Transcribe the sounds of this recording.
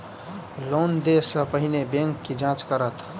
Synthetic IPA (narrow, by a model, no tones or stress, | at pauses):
loːnd̪esəpəɦinebẽŋkːid͡ʒãt͡ʃkəɾət̪